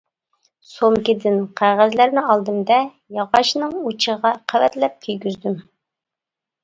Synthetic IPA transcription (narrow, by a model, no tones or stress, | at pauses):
somkʲid̪ɪnqʰæʁæzlæɾnɪɑlˠd̪ɨmd̪ɛ | jɑʁɑʃnɨŋut͡ʃʰəʁɑqʰæwɛt̪lɛp̚kʲʰyjɡʲyzd̪ym